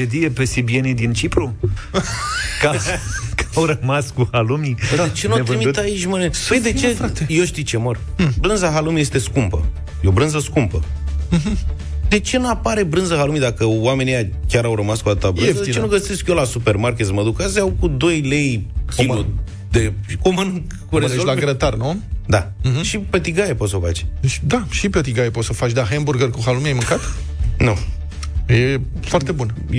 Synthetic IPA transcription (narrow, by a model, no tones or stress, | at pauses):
ed̪ijepe̞sebienid̪int͡ʃipɾu | kakawɾəmaskuhalumid̪at͡ʃenuoevɨɾimid̪ut̪ait͡ʃmənepəjd̪et͡ʃefɾakt̪ejeʃt̪it͡ʃe̞mor | bɾɨnzaɦalumijest̪e̞skumpə̰ | jo̞bɾɨnzəskumpəɦ | d̪e̞t͡ʃe̞napaɾe̞bɾɨnzəhalumid̪akəwame̞nija | kʲaɾawɾəmaskuad̪at̪abɨnd̪eit͡ʃenuɡəse̞skjo̞lasupermarkʲe̞t̪sməd̪ukaseawkud̪o̞jle̞jkʲimlu | d̪ei̥kumən | kuɾezollaɡɾət̪arnud̪aʃipet̪iɡaepot̪sofa̰t͡ʃʲd̪et͡ʃʲd̪aʃipet̪iɡajeposəfat͡ʃʲd̪aɦemburɡərkuɦalumiajmɨŋkat̪ | nu | je | foartt̪ebun